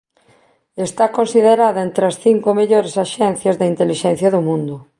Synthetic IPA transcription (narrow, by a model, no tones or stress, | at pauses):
est̪akonsiðeɾaðɐent̪ɾɐsθiŋkomeʎoɾesaʃɛn̟θjɐzðeint̪eliʃɛn̟θjɐðʊmũnd̪ʊ